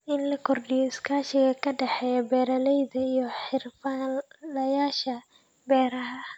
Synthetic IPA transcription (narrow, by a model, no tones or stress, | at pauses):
ʔɪnlɐkʰɔrɖɪjɔɪskʰaːʃɪɣɐkʰɐɖɛħɛːjɐbɛːɾɐlɛjðɐijɔħɪrfalɐjaːʃɐ | bɛːɾɐɦɐ